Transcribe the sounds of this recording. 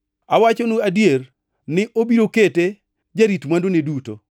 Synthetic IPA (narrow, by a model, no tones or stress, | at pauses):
awat͡ʃonuadjer | nɪʔobiɾokete | d͡ʒaɾitmwandoneduto̰